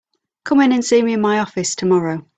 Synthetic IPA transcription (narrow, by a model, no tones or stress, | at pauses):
kʰʊ̃mɪ̃nə̃nsiːmiɪ̃nmaɪɒfɪstʰəmɒɹoʊ